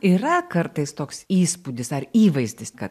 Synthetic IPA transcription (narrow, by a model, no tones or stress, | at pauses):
iːɾɐkɐrt̪ɐɪst̪oːksiːspuːd̪ʲɪsɐɾiːʋɐɪzʲd̪ʲɪskɐt̪